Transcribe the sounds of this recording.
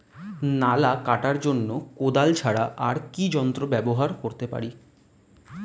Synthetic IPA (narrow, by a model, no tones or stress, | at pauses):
nalakaʈaɾd͡ʑonːokod̪alt͡ɕʰaɽaʔaɾkid͡ʑɔnt̪ɾobɛboɦaɾkoɾt̪epa̰ɾi